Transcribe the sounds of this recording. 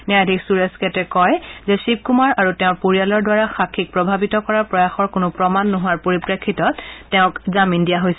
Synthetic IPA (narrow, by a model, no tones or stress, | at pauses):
niadʱiksuɹɛskɛtɛkɔjzɛsip̚kumaɹaɹutɛʊ̃ɹpoɹijalɔɹdwaɹaxakʰːik̚pɹɔbʱabitɔkɔɹapɹɔjaxɔɹkʊnʊpɹɔmanːoɦʊwaɹpoɹipɹekʰːitɔtːɛʊ̃kzamindijaɦojsɛ